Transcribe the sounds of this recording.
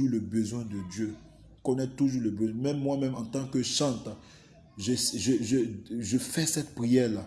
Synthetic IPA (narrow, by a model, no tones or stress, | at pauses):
uləbəzwɛ̃d̪əd̪jø | kɔnɛt̪uʒuːʁləbøzwɛ̃mɛ̃mːwamɛ̃mɑ̃t̪ɑ̃kəʃɑ̃t̪ | ʒəsʒəʒəʒəfɛsɛt̪pʁijɛʁla